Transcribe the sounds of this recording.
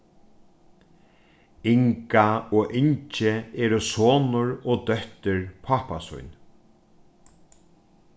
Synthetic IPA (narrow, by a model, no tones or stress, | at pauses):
ɪŋkaɔːʔɪɲt͡ʃɪɛːɾʊsoːnʊɾɔːd̪œht̪ɪɹpʰahpa̰sʊ̰jn